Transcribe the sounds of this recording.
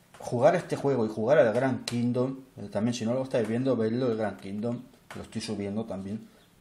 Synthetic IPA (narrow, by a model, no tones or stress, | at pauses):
xuɣ̞aɾe̞st̪e̞xwe̞ɣ̞oixuɣ̞aɾaelɣɾaŋkind̪omt̪ambje̞nsinoloest̪ajzβje̞nd̪oβeld̪oelɣɾaŋkind̪o̞mlʔost̪ojsuβ̞je̞nd̪ot̪ambje̞n